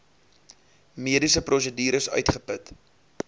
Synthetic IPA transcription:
miədisəprɔsədiːɾəsœ̰ɥtχəpət

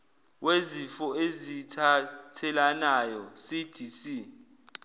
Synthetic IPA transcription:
wezifɔezitʰatʰɛlanajɔsid̥ʱisi

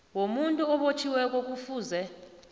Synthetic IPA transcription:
womuntʼuɔɓot͡ʃʰiwɛk̬ʼok̬ʼufuːzɛ

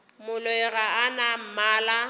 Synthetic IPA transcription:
mʊlʊɛɣaanam̩maːla

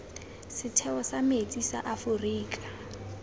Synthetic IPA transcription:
sɪtʰɛɔsamet͡sʼisa̰ʔafʊriːkʼḁ

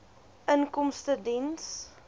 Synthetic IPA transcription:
ʔənkɔmstədins

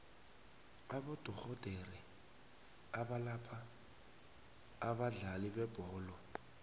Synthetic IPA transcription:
abɔdɔk͡xɔdʱeri | abalapʼa | baɮalɪbɛb̥ɔːlɔ

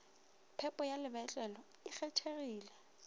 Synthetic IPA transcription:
pʰɛpʼɔjalɪbɛt͡ɬʼɛlɔ | ɪk͡xɛt͡ʃʰeriːlɛ

